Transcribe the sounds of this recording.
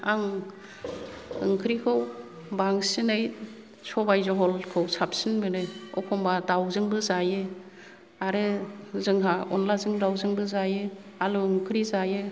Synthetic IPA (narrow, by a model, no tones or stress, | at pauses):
aŋ | ɯŋkʰɯɾikʰɯw | baŋsinaj | sɔbajzɔɦɔlkʰɯwsʰap̚sinbɯnɯɔ̰kʰɔmbadawzɯŋbɯzajɯ | aɾɯzɯŋɦaɔnlazɯŋdawzɯŋbɯzajɯ | aluɯŋkʰɯɾizajɯ